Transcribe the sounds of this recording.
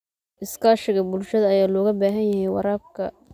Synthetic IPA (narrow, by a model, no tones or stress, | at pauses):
ʔɪskʰaːʃɪɣɐbʊlʃɐðɐːjaːlɔːɣɐbaːɦɐnjɐɦɛjwɑ̰ɾaːb̚kʰɐ